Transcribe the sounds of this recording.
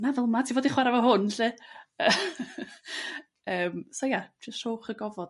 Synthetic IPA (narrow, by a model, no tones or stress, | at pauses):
navɛlˠmatʰivoːdiχwaɾavɔɦʊnɬɨə | əːmsɔjad͡ʒəsthoːχəɡɔvɔd̥